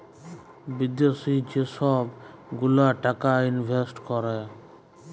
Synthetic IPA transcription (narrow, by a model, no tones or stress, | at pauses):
bid̪josid͡ʒesɔbɡulaʈakainbʱesʈkɔɾɛ